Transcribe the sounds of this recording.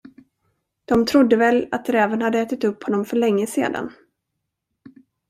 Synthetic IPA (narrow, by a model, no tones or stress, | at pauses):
d̪̥ɔmt̪ʰɾʊd̪ːəvɛlat̪̚ɾɛːvənhad̪ːəɛːt̪ɪt̪ɵpːhɔnːɔmfœɭɛŋːəsḛːd̪a̰n